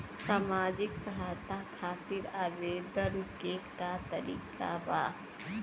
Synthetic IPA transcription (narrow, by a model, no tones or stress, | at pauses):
saːmaːd͡ʒɪksɐɦaːjt̪ʰakʰaːt̪ɪɾaːʋeːd̪əɾkekat̪ɐɾḭːka̰ba̰ː